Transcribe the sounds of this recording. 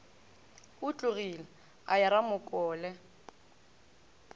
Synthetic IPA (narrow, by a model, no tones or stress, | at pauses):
ʊt͡ɬʼʊɣila | ajaɾamʊkʼɔːlɛ